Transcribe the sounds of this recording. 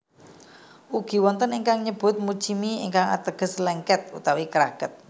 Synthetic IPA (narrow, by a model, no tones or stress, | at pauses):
ʔuɡ̥i̤wɔnt̪əniŋkaŋɲəb̥ʊ̤t̪̚mu̥t͡ʃimiiŋkaŋa̰t̪əɡ̥ə̤slɛŋkɛt̪̚ut̪awikəɾaɡ̥ət̪̚